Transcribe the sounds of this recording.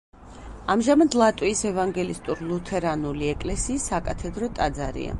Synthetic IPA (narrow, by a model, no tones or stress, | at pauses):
amʒamad̪lˠat̪ʼwiːsɛvaŋɡɛlist̪ʼuɾlˠut̪ʰɛɾanuliɛkʼlɛsiːsːakʼat̪ʰɛd̪ɾɔt̪ʼad̪zaɾḭa̰